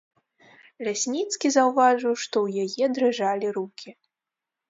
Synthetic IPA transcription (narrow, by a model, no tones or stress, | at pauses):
lʲasʲnʲit̪skʲizɐwvaʐɨwʂt̪ɔwjajɛd̪ɾɨʐalʲiɾukʲʰi